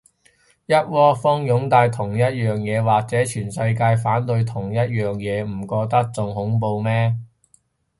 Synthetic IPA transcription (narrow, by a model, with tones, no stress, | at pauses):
jɐ˥t̚wɔː˥fɔː˥ŋjʊ˨˥ŋt̪aː˧jt̪ʰʊ˨˩ŋjɐ˥t̚jœː˨˩ŋjɛː˨˧waː˨k̚t͡sɛː˨˥t͡ʃʰyː˨˩nsɐ˧jkaː˧jfaː˨˥nt̪ɵ˧ɥt̪ʰʊ˨˩ŋjɐ˥t̚jœː˨˩ŋjɛː˨˧m̩˨˩kɔː˧k̚t̪ɐ˥k̚t͡sʊ˧ŋɦʊ˨˥ŋp̬o˧wmɛː˥